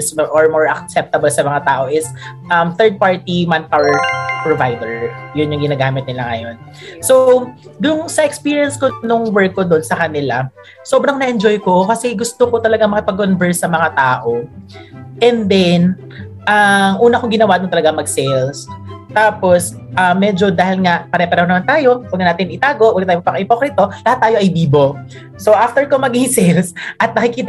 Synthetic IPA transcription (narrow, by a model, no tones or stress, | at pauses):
sʔoɹmɔɹʔɐk̚sɛp̚t̪ɐbɐlsɐmɐŋat̪aːʔo̞ʔɪsʔɐmt̪ɛɹd̪̚paɹt̪imanpawɛɹpɹovajd̪ɛɹjʊnjʊŋɡɪnaːɡaːmɪt̪̚nɪlaŋɐjo̞n | so | d̪ʊʊŋsɐʔɛkspiːɹijɐnskonʊŋwɛɹkːod̪onsɐkɐnɪla | soːbɾɐŋnɐʔɛnd͡ʒojkokɐsɛɡʊst̪oko̞t̪ɐlɐɡaŋmɐkɐpɐɡonbɛɹsɐmɐŋat̪aːʔo̞ | ʔɛnd̪ɛn | ʔɐŋʔuːnɐkoŋɡɪnɐwaːd̪ont̪ɐlɐɡaŋmɐɡsɛlst̪aːpo̞sʔɐmːɛːd͡ʒo̞d̪aːhɪlŋɐpɐɾɛpɐɾɐhonɐmant̪aːjo̞wɐɡnɐnaːt̪ɪnʔɪt̪aːɡo̞ʔwɐɡ̚nɐt̪aːjopɐŋɪpoːkɾɪt̪o̞lɐhat̪ːaːjo̞ʔɐjbiːbo̞ | soʔaft̪ɛɹkomɐɡɪŋsɛlsʔɐt̪̚nɐkɪkiːt̪